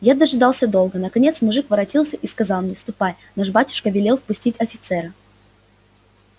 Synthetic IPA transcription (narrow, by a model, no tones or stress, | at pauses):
jad̪əʐɨd̪ɑlˠsʲəd̪o̞lˠɡənəkɐnʲe̞t̪smʊʐɨkvəɾɐtʲilˠsʲəʔiskɐzɑlˠmnʲest̪ʊpaj | naʂbatʲʊ̥ʂkəvʲɪlʲe̞lˠfpʊsʲtʲitʲɐfʲɪt̪sɛɾɨ